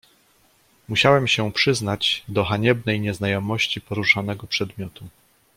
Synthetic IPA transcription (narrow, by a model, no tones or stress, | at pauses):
muɕawɛmɕɛpʂɘznad͡ʑd̪ɔxaɲɛbnɛjɲɛznajɔmɔɕt͡ɕipɔɾuʂanɛɡɔpʂɛd̪mʲjɔt̪u